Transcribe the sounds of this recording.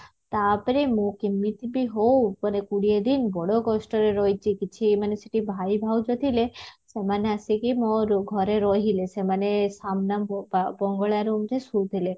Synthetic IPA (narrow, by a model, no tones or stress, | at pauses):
t̪apɔɾemũkimːit̪ibiɦowpɔɾekuɽied̪inbɔɽokɔsʈɔɾeɾɔjt͡ʃʰikit͡ʃʰimaneseʈibʱajbʱawd͡ʒɔt̪ʰilesemaneasikimoɾɡʱɔɾeɾɔɦilesemanesamnabbɔŋɡɔɭaɾumt̪ʰesuɾt̪ʰile